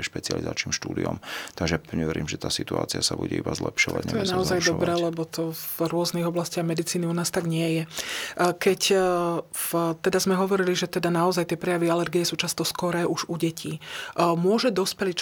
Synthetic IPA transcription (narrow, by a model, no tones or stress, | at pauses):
ɛʃpɛt͡sɪa̰liza̰ːt͡ʃniːmʃt̪uːd̪ḭɔ̰mt̪aɡʒɛɲɛʋɛɾiːmʒɛt̪aːsit̪ua̰ːt͡siasabṵɟɛ̰ibazlɛ̰pʃɔʋa̰ɟɲɛ̰ɔjɛnaɔzajd̪ɔbɾɛːlɛbɔt̪ɔvɾʊɔzniɣɔblascɪaɣmɛd̪it͡siːniunaːst̪aɡɲɪɛjɛ | kɛc | ft̪ɛd̪azmɛɦɔʋɔɾiliʒɛt̪ɛd̪anaɔzajt̪ɪɛpɾɛjaʋialɛɾɡijɛsuːt͡ʃast̪ɔskɔɾɛːʔuʒuɟɛcʰiːmʊɔʒɛd̪ɔspɛlit͡ʃ